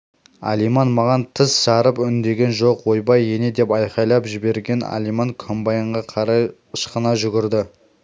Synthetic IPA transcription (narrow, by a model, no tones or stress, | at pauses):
a̰lijmɑnmɑʁɑnt̪ʰɪsʒɑɾəpʏnd̪e̞ɡʲe̞nʒoqwo̞jbɑjene̞d̪e̞pɑjqɑjlˠɑpʒɪbe̞ɾɡʲe̞na̰lijmɑŋkʰombɑjəɴʁɑqʰɑɾɑj | əʃqənɑʒʏɡʲɪɾd̪ɪ